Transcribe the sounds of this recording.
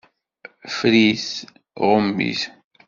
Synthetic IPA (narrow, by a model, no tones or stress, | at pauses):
fɾiθ | ʁəmːḭθ